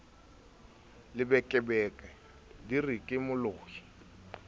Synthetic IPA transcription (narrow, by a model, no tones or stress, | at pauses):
lɪbɛkʼɪbɛːkʼɛ | dirikʼɪmʊloːhi̥